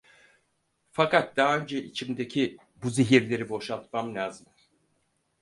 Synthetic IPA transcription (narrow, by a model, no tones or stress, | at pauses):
fakat̪̚d̪aɦaø̞nd͡ʒɛʔit͡ʃʰimd̪e̞cʰi | buziɦiɾlʲe̞ɾibo̞ʃalˠt̪̚mamlʲaːzɯm